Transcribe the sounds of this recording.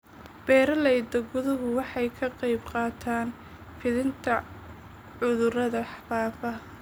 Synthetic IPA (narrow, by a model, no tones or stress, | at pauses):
b̥ɛːɾɐlɛjd̪ɐɡʊðʊɦʊwɑħɑjkʰɐqɑjbqɑːt̪ʰaːn | fɪðɪnt̪ʰɐ | ʕʊðʊrɐðɐħfaːfɐ